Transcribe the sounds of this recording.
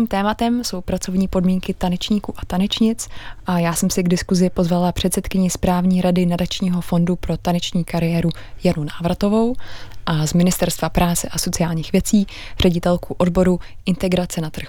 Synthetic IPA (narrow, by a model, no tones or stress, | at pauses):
iːmt̪ɛːmat̪ɛmso̞wpɾat͡so̞vɲiːpo̞dmiːŋkɪt̪anɛt͡ʃɲiːkuːʔat̪anɛt͡ʃɲɪt͡sʔajaːsɛmsɪɡdɪskuzɪpozvalapr̥ɛt̪sɛt̪kɪɲɪspɾaːvɲiːɾadɪnadat͡ʃɲiːɦo̞fo̞ndupɾo̞t̪anɛt͡ʃɲiːkaɾɪjɛːɾujanunaːvɾat̪o̞vo̞wʔazmɪnɪst̪ɛɾst̪vapɾaːt͡sɛʔaso̞t͡sɪaːlɲiːxvjɛt͡siː | r̝ɛɟɪt̪ɛlkuʔo̞dbo̞ɾu | ʔɪnt̪ɛɡɾat͡sɛnat̪r̩x